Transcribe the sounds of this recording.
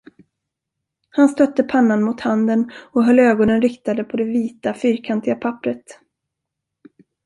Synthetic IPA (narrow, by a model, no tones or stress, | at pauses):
hanst̪œt̪ːəpʰanːanmʊt̪hand̪ənɔɦœlːøːɡɔnənɾɪkt̪ad̪əpʰɔd̪ɛviːt̪afyːɾkʰant̪ɪɡapʰapːɾət̪